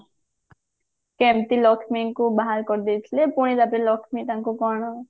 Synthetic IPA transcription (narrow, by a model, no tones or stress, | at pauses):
kɛmt̪ilɔkʰmiŋkubaɦalkɔɾd̪et̪ʰlepuɽ̃id̪apelɔkʰmit̪ãŋkukɔɽ̃ɔ